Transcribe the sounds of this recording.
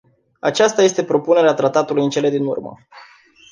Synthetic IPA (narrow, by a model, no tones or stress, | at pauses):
a̰t͡ʃast̪aje̞st̪e̞pɾo̞pune̞ɾeat̪ɾat̪at̪ulujɨnt͡ʃe̞le̞d̪inṵrmə̰